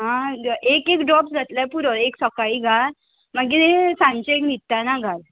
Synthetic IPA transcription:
ɦãekekɖɾɔpsɡʱat̪lapuɾɔɾeksɔkaiɡʱaɾ | maɡiesãɲt͡ɕeeknit̪ːanaɡʱal

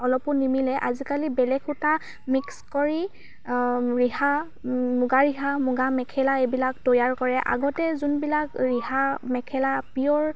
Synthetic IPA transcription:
ɔlɔpʊnimilɛʔazikalibɛlɛkʰʊta | mikskɔɹi | ɹiha | mʊɡaɹiɦamʊɡamɛkʰɛlaebilaktɔjaɹkɔɹɛʔa̰ɡɔtɛzunbilakɹihamɛkʰɛlapijɔɹ

